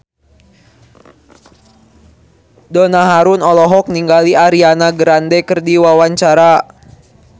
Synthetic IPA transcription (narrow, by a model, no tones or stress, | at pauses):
dɔnaɦaɾunɔlɔɦɔk̚niŋɡaliaɾianaɡəɾandɛkərdiwawaɲt͡ʃaɾa